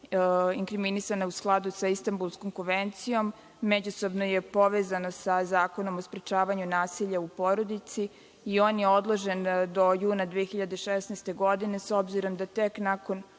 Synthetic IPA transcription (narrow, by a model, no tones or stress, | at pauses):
iŋkɾiminisanausklˠad̪usaist̪ambulˠskoŋkoʋent̪sijo̞mː | ed͡ʑuso̞bnojepo̞ʋeːzano̞sazaːko̞no̞mospɾet͡ʃaːʋaɲunaːsiʎaupo̞ɾo̞d̪it̪siː | o̞ːnjeo̞d̪lˠo̞ʒend̪o̞juːnad̪ʋijexiʎad̪eʃesnaɛst̪e̞ɡo̞d̪ine̞so̞bziɾo̞md̪at̪eknako̞n